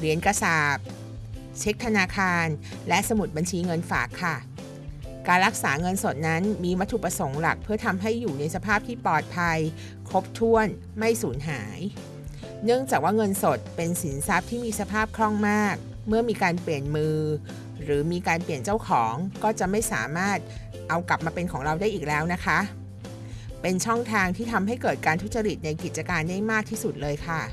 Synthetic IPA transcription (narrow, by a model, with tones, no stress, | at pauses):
ɾi˨˩˦ənkɾa˧saː˨˩p̚ | t͡ɕʰe˦˥k̚t̪ʰa˧naː˧kʰaː˧n | lɛ˦˥ʔsa˧mu˨˩t̪̚ba˧nt͡ɕʰiː˧ŋɤ˧nfa̰ː˨˩kʰːa˥˩ | kaː˧nɾa˦˥k̚saː˩˦ŋɤ˧nso˨˩t̪̚na˦˥nmiː˧wa˦˥t̪ʰːu˨˩pɾa˧so˩˦ŋla̰˨˩k̚pʰɯ˥˩ɐt̪ʰa˧mɦa˥˩jːuː˨˩na˧jsa˧pʰaː˥˩p̚t̪ʰiː˥˩pɔː˨˩t̪̚pʰa˧j | kʰo˦˥p̚t̪ʰu˥˩ən | ma˥˩jsuː˩˦nɦaː˩˦j | nɯ˥˩əŋt͡ɕaː˨˩k̚waː˥˩ŋɤ˧nso˨˩t̪̚pe˧nsi˩˦nsa˦˥p̚t̪ʰiː˥˩miː˧sa˧pʰaː˥˩p̚kʰɾɔ˥˩ŋmaː˥˩k̚ | mɯ˥˩ɐmiː˧kaː˧npli˨˩ənmɯː˧ | ɾɯː˩˦miː˧kaː˧npli˨˩ənt͡ɕa˥˩wkʰɔː˩˦ŋkɔː˥˩t͡ɕa˨˩ʔma˥˩jsa̰ː˩˦maː˥˩t̪̚ | ʔa˧wkla˨˩p̚maː˧pe˧nkʰɔː˩˦ŋɾa˧wdaː˥˩jʔiː˨˩k̚lɛː˦˥wna˦˥kʰa˦˥ʔ | pe˧nt͡ɕʰɔ˥˩ŋt̪ʰaː˧ŋt̪ʰiː˥˩t̪ʰa˧mɦa˥˩jkɤː˨˩t̪̚kaː˧nt̪ʰu˦˥t̪̚t͡ɕa˧ɾi˨˩t̪̚na˧jki˨˩t͡ɕa˧kaː˧nda˥˩jmaː˥˩k̚t̪ʰiː˥˩su˨˩t̪̚lɤː˧jkʰa˥˩